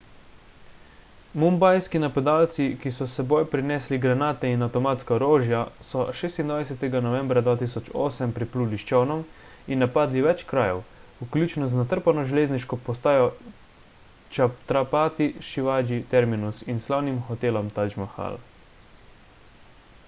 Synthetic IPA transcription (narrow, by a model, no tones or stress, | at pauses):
mumbajskinapad̪aːlt̪sikisɔsɛbojpɾinɛːsliɡɾanaːt̪ɛinawt̪ɔmaːt̪skaɔɾoːʒjasɔʃeːst̪ind̪ʋajsɛt̪ɛɡanɔʋɛ̃mbɾad̪ʋaːt̪isɔt͡ʃoːsɛmpɾɛpluːliʃt͡ʃɛwnɔm | inːapaːd̪liʋɛt͡ʃkɾaːjɛ̰wuklʲuːt͡ʃnɔznat̪əɾpanɔʒɛleːzniʃkɔpɔst̪aːjɔ | t͡ʃat̪ɾapaːt̪iʃiʋaːʒit̪ɛɾminusinslaːwnimxɔt̪eːlɔmt̪ad͡ʒmaxa̰l